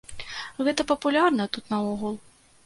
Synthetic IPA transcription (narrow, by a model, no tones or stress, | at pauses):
ɣɛt̪ɐpɐpulʲarnɐt̪ut̪nɐɔɣulˠ